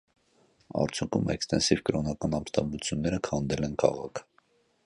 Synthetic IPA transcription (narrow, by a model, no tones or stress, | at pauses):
ɑ̰ɾt͡sʰjuŋkʰṵmɛ̰kst̪ɛnsivkəɾɔnɑkɑnɑmst̪ɑmbut͡sʰjunːɛɾəkʰhɑnd̪ɛlɛnkʰɑ̰ʁɑkʰ